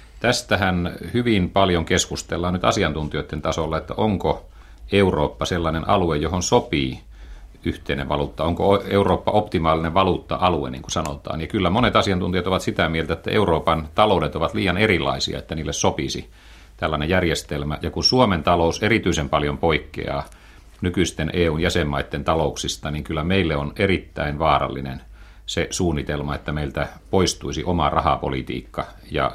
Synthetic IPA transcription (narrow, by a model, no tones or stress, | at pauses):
t̪æst̪æhænhyʋimpɑljoŋkeskust̪elːɑːnnyt̪ɑ̰siɑnt̪unt̪ioit̪ːent̪ɑsolːɑet̪ːæoŋko | euro̰ːpːɑselːɑinenʔɑ̰luejjohonsopiː | yht̪einḛʋɑ̰luːt̪ːɑoŋkooeuroːpːɑopt̪imɑːlineʋʋɑluːt̪ːɑ̰ʔɑluḛnḭŋkusɑno̰t̪ɑ̰ːnjɑkylːæmonet̪ɑsiɑnt̪unt̪ijɑt̪oʋɑt̪sit̪æmielt̪æet̪ːæ̰ʔḛuroːpɑnt̪ɑloˑudet̪oʋɑt̪liːjɑnerilːˑɑ̰isḭɑ̰et̪ːæniːlːessopisḭ | t̪ælːænejærjest̪elmæjɑkunsuoment̪ɑlouserit̪yisempɑljompoikːḛɑ̰ː | nykyist̪enʔeːuːnjæsemːɑit̪ːent̪ɑlouksist̪ɑniŋkylːæmeilːeonerit̪ːæ̰inʋɑːrɑ̰lːḭnḛn | sesuːnːit̪elmɑet̪ːæmeilt̪æpoist̪uisiʔomɑrɑhɑ̰po̰lit̪ḭːkːɑ | jɑ̰